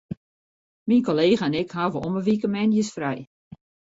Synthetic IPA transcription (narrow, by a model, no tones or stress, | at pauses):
minkoleːɣəɛnɪkhaːvəɔməʋikəmɛnjəsfrɛj